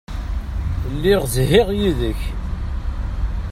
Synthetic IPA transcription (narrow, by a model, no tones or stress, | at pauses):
lːiʁzhɪʁjiðəç